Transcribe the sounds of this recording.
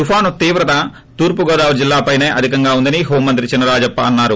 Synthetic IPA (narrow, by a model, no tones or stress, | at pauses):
t̪upʰaːnut̪iːʋɾɐt̪ɐ | t̪uːɾpuɡɔːd̪aːʋud͡ʒilːaːpɐjneːʔɐd̪ʱikɐŋɡaːund̪ɐniɦoːmːɐnt̪ɾit͡ʃinːɐɾaːd͡ʒɐpːɐɐnːaːɾu